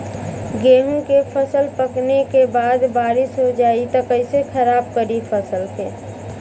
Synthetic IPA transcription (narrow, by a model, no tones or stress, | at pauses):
ɡeːɦũkepʰəsəlpəknekebaːd̪baːɾɪsɦod͡ʒaːit̪əkəisekʰəɾaːb̚kəɾipʰəsəlt̪ʰeː